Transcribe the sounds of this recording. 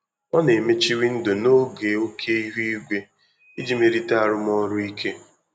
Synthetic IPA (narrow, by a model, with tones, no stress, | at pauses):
ɔ˦ne˨me˦t͡ʃi˦ɾi˦n̩˦do˨no˦ɡe˨o˦kʰe˦i˦ɦu˦i˦ɡʷe˦ | i˦d͡ʒi˦me˨ɾi˦ta˦a˦˨ɾʊ˦m˦ɔ˦ɾʊ˦i˦kʰe˦